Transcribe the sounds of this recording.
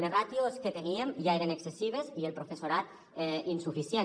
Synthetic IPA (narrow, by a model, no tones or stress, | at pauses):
lerat̪josket̪eniemʒaeɾeneksesiβ̞ezielpɾofesoɾat̪ | einsufisjen